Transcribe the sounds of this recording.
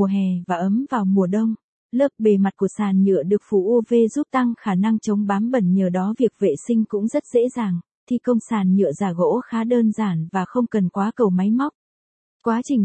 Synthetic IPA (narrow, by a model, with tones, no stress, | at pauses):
u˨˩əɦɛ˨˩vaː˨˩ʔə˨˦mvaː˨˩wmu˨˩əɗə˧wŋ͡m | lɨ˦˥ək̚ɓe˨˩ma˨˩t̚ku˧˩əsaː˨˩nɲɨ̰˧˨əɗɨ˨˩ək̚fṵ˧˩ʔu˧ve˧zu˦˥t̚t̪a˧ŋxaː˧˩na˧ŋt͡ɕə˨˦wŋ͡mɓaː˨˦mɓə˧˩nɲəː˨˩ɗɔ˨˦vi˨˩ək̚vḛ˧˨sï˧ŋ̟kʊ̰˧˥ŋ͡mzə˦˥t̚z̥ḛ˧˥zaː˨˩ŋ | t̪ʰi˨˩kə˧wŋ͡msaː˨˩nɲɨ̰˧˨əzaː˨˩ɣo̰˧˥xaː˨˦ɗəː˧nzaː˧˩nvaː˨˩xə˧wŋ͡mkə˨˩nkwaː˨˦kə˨˩wma˨˦jma˦˥wk͡p̚ | kwaː˨˦t͡ɕï˨˩ŋ̟